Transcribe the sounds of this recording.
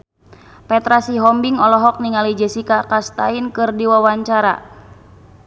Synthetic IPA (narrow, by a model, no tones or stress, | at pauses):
pɛt̪ɾasiɦɔmbiŋɔlɔɦɔk̚niŋalid͡ʒɛsikakast̪a̰inkɨrdiwawaɲt͡ʃaɾa̰